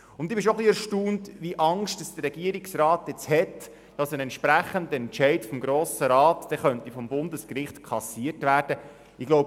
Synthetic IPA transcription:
ʊnt̪ːɪbɪʃoχliɛɾʃtuːntʋiəʔɑŋʃtəsd̥ərɾɛɡiəɾiksrɑːtjɛt͡shɛt | d̥ɑsənɛnʃpɾæχəndəɛnt͡ʃɛɪtfɔmɡɾoːsəɾɑːtd̥ɛχœntifɔmbʊndəskrɪχtkʰɑsiːətʋæːɾd̥ə | ɪɡlowb

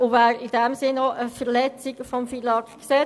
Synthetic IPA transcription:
ʊvæːɾid̥ɛmsɪnːoʔəfəɾlɛt͡siɡfɔmfilɑkkseː

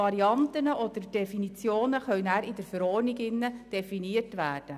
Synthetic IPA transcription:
ɑɾiɑnt̪ənəʔɔd̪ərd̥ɛfinit͡sjoːnəχœlnæːɾɪd̥əɾfəɾɔːniɡɪnːəd̥ɛfiniərtʋæːrd̥ə

